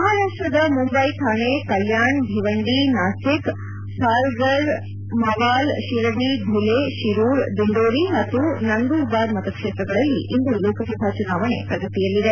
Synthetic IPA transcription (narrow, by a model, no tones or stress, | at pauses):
mɐɦaːɾaːʂʈɐd̪ɐmumbɐjt̪ʰaːɳekɐljaːɳb̪ʱiʋɐɳɖinaːsik | sʰaːɾɡɐɾ | mɐʋaːlʃiɾɐbid̪ʱuleʃiɾuːɾd̪uɳɖoːɾiɦɐt̪ːunɐnɡ̪ubaːɾmɐt̪ɐkʂeːt̪ɾɐɡɐɭɐlːḭʔind̪uloːkʰɐsɐbʱaːt͡ʃunaːʋɐɳḛpɾɐɡɐt̪ijɐlːid̪e